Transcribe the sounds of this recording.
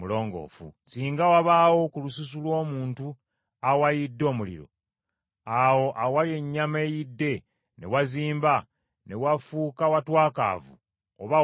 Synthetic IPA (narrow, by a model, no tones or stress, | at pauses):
ulo̞ːŋɡo̰ːfṵsiːŋɡawaβaːwo̞kulusus̬ulwo̞ːmuːntu | awajidːo̞ːmulḭɾo̞̰ | awo̞ʔawalje̞ɲːame̞jidːe̞ | ne̞waziːmba | ne̞wafuːkawatwaːka̰ːvṵ | o̰βa